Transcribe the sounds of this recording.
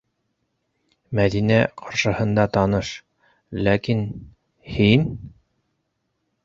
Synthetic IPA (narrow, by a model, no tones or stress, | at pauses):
mæðinæqʰɑɾʃɤ̆hɤ̆nd̪ɑt̪ɑnɤʃ | lækin | hin